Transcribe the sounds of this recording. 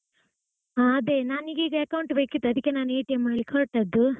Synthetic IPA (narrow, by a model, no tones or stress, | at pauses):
aɐd̪enaːniɡiːɡɐɐkɐwuɳʈbeːkit̪ːɐd̪ikːenaːneːʈɐjmaːlikɔːʈːɐd̪ːu